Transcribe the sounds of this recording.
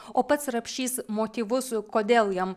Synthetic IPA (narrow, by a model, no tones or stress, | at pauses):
oːpɐt̪sɾɐpʲʃʲiːsmoːt̪ʲiːʋʊskoːd̪ʲeːlˠjɛm